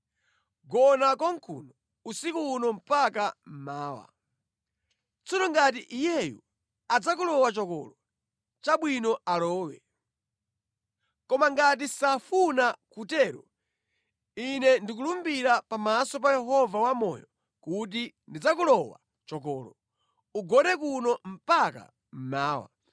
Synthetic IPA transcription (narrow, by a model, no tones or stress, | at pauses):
ɡɔnakɔŋkʰṵnɔ | usikunɔm̩pak̬am̩maːwa̰ | t͡sɔɾɔŋɡat̬iʔijɛju | ad͡zak̬ulɔwat͡ʃɔkɔ̰lɔ | t͡ʃaɓwinɔalɔːwɛ̰ | kɔmaŋɡat̬isafunakutɛɾɔ | inɛndik̬ulumbiɾapamasɔp̬ajɛɦɔvawamɔ̰jɔ | kut̬i | ndid͡zakulɔwa̰ | t͡ʃɔkɔːlɔ | uɡɔɗɛk̬unɔm̩paka̰ | m̩maːwa̰